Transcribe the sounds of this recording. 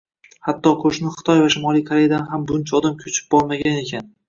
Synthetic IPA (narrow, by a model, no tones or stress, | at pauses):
hat̪ːɒqʰoʃnɪχɨ̥t̪ʰɒjvaʃɪmɒlˠijkʰaɾejad̪anɦambʊɪnt͡ʃʰaɒd̪amkʲʰɵt͡ʃʰɪ̥p̚bɒlˠmaɡʲane̞kʲʰan